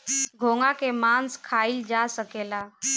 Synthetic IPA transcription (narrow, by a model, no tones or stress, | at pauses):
ɡʱoŋakemãnskʰaild͡ʒasəkela